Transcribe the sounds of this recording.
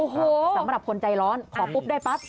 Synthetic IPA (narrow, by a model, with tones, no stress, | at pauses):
ʔo˨˧˩hoː˨˦sa˩˦mɾa˨˩p̚kʰo˧nt͡ɕa˧jɾɔː˦˥nkʰɔː˨˩˦pʰu˦˥p̚daː˥˩jpa˦˥t̪̚